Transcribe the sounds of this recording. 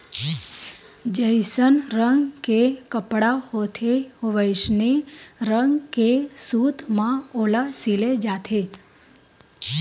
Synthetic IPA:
d͡ʒəjsənɾəŋɡkekəpɽahot̪ʰehoʋəjʃneɾəŋɡkesut̪mãolasiled͡ʒat̪ʰe

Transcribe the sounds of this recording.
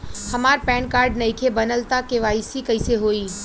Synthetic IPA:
hɐmaːɾpɛ̃ːɳkaːɾɖnɐɪkʰebɐnəlt̪akeʋaːisikɐɪseɦoːiː

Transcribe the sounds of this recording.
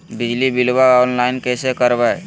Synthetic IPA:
bɪd͡ʒlibɪlbaanlaɪnkɛːsekəɾbaj

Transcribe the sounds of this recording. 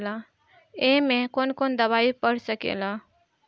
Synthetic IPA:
la | eɦmekonkond̪əβaipəɽ̤səkḛla

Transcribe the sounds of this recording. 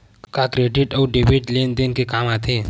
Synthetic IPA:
kakɾeːɖɪʈɔːɖeːbiʈleːnd̪eːnkekaːmaːt̪eː

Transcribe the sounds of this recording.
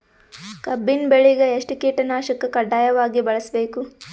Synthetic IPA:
kɐbːinbeɭiɡeeʂʈikeːʈɐnaːʃɐkːɐkɐɖːaːjɐʋaːɡibɐɭɐsbe̞ːku

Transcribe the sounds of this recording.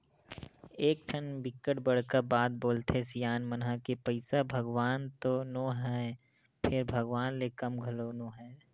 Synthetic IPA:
eːk̚ʈʰɐnbɪkəʈbɐɽ̤kəɾbaːt̪̚boːlt̪esijaːnmənɦəkepɐɪsabʱɐɡʋaːnt̪onoɦɛ | pʰɪɾbʱɐɡʋaːnlekɐmɡʱɐlonoːɦɛː

